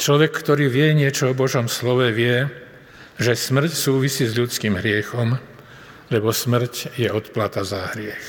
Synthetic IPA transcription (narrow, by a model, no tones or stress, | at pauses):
t͡ʃlɔʋɛkːt̪ɔɾiːʋɪɛɲɪɛt͡ʃɔɔbɔʒɔmslɔʋɛʋɪɛ | ʒɛsmr̩csuːʋisiːzʎut͡skiːmɦɾɪɛxɔm | lɛbɔsmr̩cjɛɔt̪plat̪azaɦɾɪɛx